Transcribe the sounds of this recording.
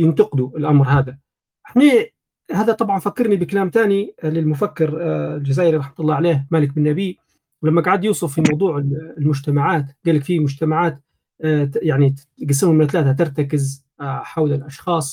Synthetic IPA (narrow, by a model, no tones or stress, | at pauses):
jɪnt̪ɑqɪd̪uʔɪlʔamɾhaːd̪a | ʔħneː | haːðat̪ˤɑbʕɑnfakːɑɾnibɪkalaːmt̪aːnilɪlmʊfakːɪɾld͡ʒazaːʔɪɾiɾˤɑħmat̪lˤːɑːʕaleːhmaːlɪk̚bɪnːabiː | wlamːaɡaʕad̪juːsˤʊffimɑwd̪ˤuːʕɪlmʊd͡ʒt̪amaʕaːt̪ɡaːlːakfimʊd͡ʒt̪amaʕaːt̪ː | jaʕni | ɡas̬ːɪmʊmɪnt̪alaːt̪at̪ɪɾˤt̪akɪz | ħawlalʔɑʃxɑːsˤ